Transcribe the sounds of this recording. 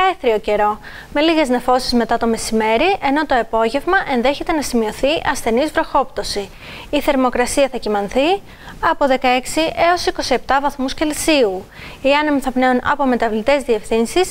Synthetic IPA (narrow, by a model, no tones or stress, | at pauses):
eθɾio̞ce̞ɾo̞ | me̞liɣe̞zne̞fo̞sizme̞t̪ɐt̪o̞mesime̞ɾiʔe̞no̞t̪o̞epo̞ʝe̞vmɐʔe̞nðe̞çe̞t̪e̞nɐsimio̞θiʔɐsθe̞nizvɾo̞xo̞pt̪o̞si | iθe̞ɾmo̞kɾɐsiɐθɐcimɐnθi | ɐpo̞ðe̞kɐe̞ksiʔe̞o̞siko̞sie̞p̚t̪ɐvɐθmusce̞lsiu | iɐnemiθɐpne̞unɐ̰po̞me̞t̪ɐvlit̪e̞zðie̞fθinsis